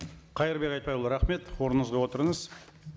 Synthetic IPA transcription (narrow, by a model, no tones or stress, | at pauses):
qʰɑjəɾbe̞kʲɑjt̪̚pɑjlˠɾɑχme̞t̪woɾənəzʁɑwo̞t̪əɾəɴəz